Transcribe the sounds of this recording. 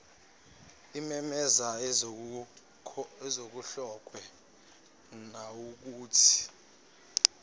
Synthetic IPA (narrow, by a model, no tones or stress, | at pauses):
imɛmɛza | ɛzok̬uɬɔk̬ʼwɛ | nawuk̬uːtʰi̥